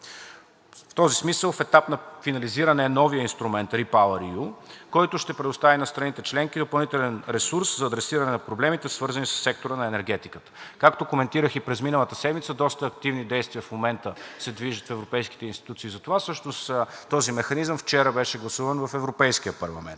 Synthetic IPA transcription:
ft̪ɔzismisəlˠfɛt̪apnɐfinɐliziɾənɛnɔvijəinst̪ɾumɛnt̪ɾipalˠəɾiukɔjt̪ʊʃt̪ɛpɾɛd̪ʊst̪avinɐst̪ɾɐnit̪ɛt͡ʃlɛŋkid̪opɐlˠnit̪ɛlɛnɾɛsuɾszɐːd̪ɾɛsiɾənɛnɐpɾoblɛmit̪ɛsvɤɾzənisə̥sːɛk̚t̪oɾənɐɛnɛɾɡ̟ɛt̪ikət̪ə̥kakt̪okomɛnt̪iɾəxipɾɛzminəlˠət̪əsɛd̪mit̪səd̪ɔst̪əːk̚t̪ivnid̪ɛjst̪vʲiəfmomɛnt̪əsɛd̪viʒət̪fɛvɾopɛjski̥t̪ɛinst̪it̪ut̪siːzɐt̪ovasɤʃnost̪t̪ɔzimɛxɐnizəmft͡ʃɛɾəbɛʃɛɡlˠɐsuvənvɐfɛvɾopɛjskiəpɐɾlˠɐ̰mɛ̰nt̪

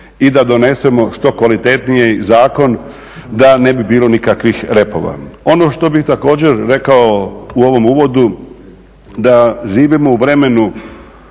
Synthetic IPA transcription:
id̪ad̪o̞ne̞se̞mo̞ʃt̪o̞kʋalit̪e̞t̪nijezaːko̞n | d̪ane̞bibiːlo̞nikakʋixɾe̞po̞̰ʋa̰o̞no̞ʃt̪o̞bixt̪ako̞ːd͡ʑe̞ɾɾe̞kaouo̞ʋo̞muːʋo̞d̪u | d̪aʒiːʋimouʋɾe̞me̞nu

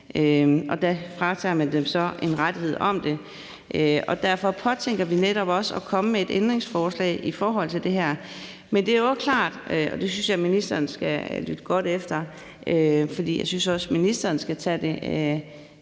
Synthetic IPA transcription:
ʔøʔɒ̽d̥æfʁɑ̈t͡sʰɑ̰ːmænd̥emsɒ̽e̝nʁad̥iɦe̝ð̞̰ˠɒ̽md̥e̝ | ʔøɒ̽d̥æɐfɒ̽pʰɒ̽t͡sʰeŋ̰ɡ̥ɐʋineɾ̥ɒ̽b̥ɒ̽səɒkʰɒ̽məmee̝d̥end̥ʁeŋsfɒːslɛ̰ːɪifɒːɦɒ̽l̰t͡sʰeld̥e̝ɦæɐ̰ | mend̥e̝æɐjoɒskʰlɑ̰̈ːd̥ɒ̽d̥e̝synsjɑ̈ɪminisd̥ɐːnsɡ̥ælyd̥əɡ̥ɒ̽ɾ̥efd̥ɐ | ʔøfɒd̥ḭːjɑ̈ɪsynsɒ̽sminisd̥ɐːn̩sɡ̥æt͡sʰɛ̰d̥e̝

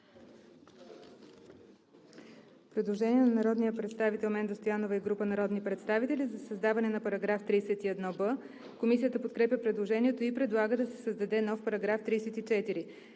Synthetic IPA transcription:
pɾɛd̪lˠoʒɛniɛnɐnɐɾɔd̪nijəpɾɛt̪st̪avit̪ɛlˠmɛnd̪ost̪ojanovəiɡɾupənɐɾɔd̪nipɾɛt̪st̪avit̪ɛlizɐsəzd̪avɐnɛnɐpɐɾɐɡɾaft̪ɾiːsɛt̪iɛd̪nɔbə | komisijət̪əpot̪̚kɾɛpʲjəpɾɛd̪lˠoʒɛniɛt̪oipɾɛd̪lˠaɡəd̪ɐsɛ̥səzd̪ɐd̪ɛnɔfpɐɾɐɡɾaft̪ɾiːsɛt̪it͡ʃɛt̪iɾi

